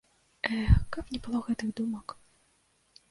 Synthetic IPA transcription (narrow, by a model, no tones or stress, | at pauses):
ɛkapnʲɛbɨlˠɔɣɛt̪ɨɣd̪umɐk